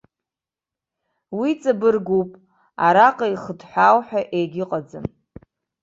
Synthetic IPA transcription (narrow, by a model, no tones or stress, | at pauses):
wit͡sʼabɨrɡupʼ | aɾaqʼaiχədħʷawħᶣaʔejɡʲɪqʼad͡zɨm